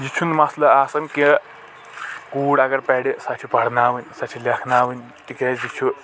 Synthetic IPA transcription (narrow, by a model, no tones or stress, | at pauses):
d͡ʒit͡ʃʰunmaslɐasɐnke | kuːɽɐɡɐɾpɛɽisat͡ʃʰipɐɽ̤naːʋɨnʲsat͡ʃʰilekʰnaːʋɨnʲ | t̪ikɾed͡ʑit͡ʃʰu